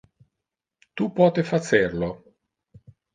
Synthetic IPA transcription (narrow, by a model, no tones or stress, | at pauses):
t̪upːwɔːt̪efat͡ʃserlo